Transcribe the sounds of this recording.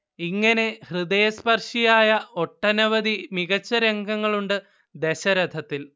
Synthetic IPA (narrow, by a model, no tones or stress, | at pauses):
iŋːɐne̞hrɨd̪ɐjɐspɐrʂijaːjɐo̞ʈːɐnɐʋɐd̪imiɣɐt͡ɕːɐɾe̞ŋɡɐŋːɐɭuɳɖɨ | d̪e̞ɕɐɾɐd̪ʱɐt̪ːil